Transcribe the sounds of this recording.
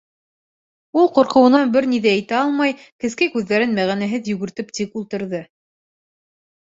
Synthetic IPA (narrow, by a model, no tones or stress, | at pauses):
ulˠqŏɾqɤ̆wɤ̆nɑnbɘɾniðææjt̪æɑlˠmɑjkɘ̆skækʉðːæɾɘnmæʁænæɦɘðjɵ̆ɡɘ̆ɾt̪ɘp̚t̪ikulˠt̪ɤ̆ɾðɤ